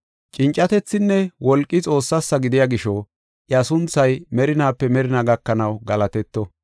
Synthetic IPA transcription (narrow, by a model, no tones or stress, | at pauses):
t͡ʃʼɪnt͡ʃʼːɐt̪ɛt͡sːɪnːɛwɔlkʼːɪt͡sʼo̞ːsːɐsːɐɡɪd̪ɪjaɡɪʃɔ | ʔjɐsʊnt͡sːɐjmɛɾɪnaːpːɛmɛɾɪnaɡɐkːɐnɐwɡɐlɐt̪ɛt̪ːɔ